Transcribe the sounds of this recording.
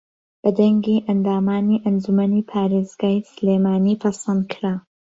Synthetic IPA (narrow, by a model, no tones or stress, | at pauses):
b̥ɐd̪ɐŋɡiʔɐnd̪aːmaːniːʔɐnd͡ʒumɐniːpʰaːɾeːzɡaːjsleːmaːniːpʰɐsɐnd̪̚kʰɾaː